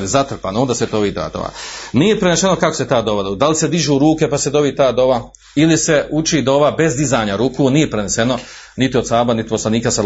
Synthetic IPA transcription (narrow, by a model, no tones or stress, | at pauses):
lizat̪r̩pa̰ːnoond̪aːset̪oʋid̪a̰d̪o̰ʋa̰nije̞pɾeneʃe̞no̞kakoset̪aːd̪o̞ʋad̪od̪alise̞d̪iʒuɾuːke̞pase̞d̪o̞ʋit̪aːd̪o̞ʋa | ilise̞ut͡ʃid̪o̞ʋabe̞zd̪izaːɲaɾuːkuːnije̞pɾenese̞no̞ | nit̪iosaːbanit̪i̥po̞slˠaniːkasa